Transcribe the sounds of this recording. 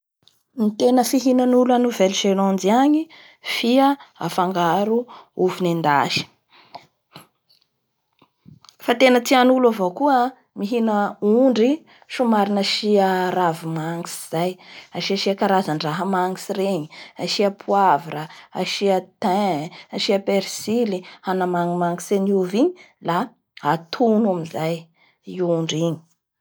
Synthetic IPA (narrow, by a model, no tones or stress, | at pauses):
mit̪enəfiɦinanulanuvɛlʒelɔnd͡ziaɲi | fiəa̰faŋɡaɾuuvinend̪aʃi̥ | fat̪enət͡sianuluavokuə | miɦinəuɳɖ͡ʐi | ʃumaɾinaʃiaɾavimaŋisiz̥ajaʃiaʃiakaɾazaɳɖ͡ʐaɦəmaŋisireɲiaʃiapʰuaviɾəaʃiət̪ɛ̃aʃiapeɾsilihanamaŋimaŋiseniuviɲi | la | at̪ʰunamizaj | iuɳɖ͡ʐiɲi̥